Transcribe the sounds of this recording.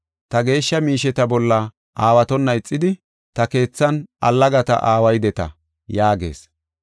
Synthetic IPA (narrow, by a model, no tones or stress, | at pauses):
t̪ɐɡe̞ːʃːɐmiːʃɛt̪ɐbɔlːɐ | aːwɐt̪ɔnːɐɪt͡sʼːɪd̪ɪ | t̪ɐke̞ːt͡sːɐnʔɐ̰lːɐɡɐt̪ɐ̰ʔaːwɐjd̪ɛt̪ɐ̰ | jaːɡe̞̰ːs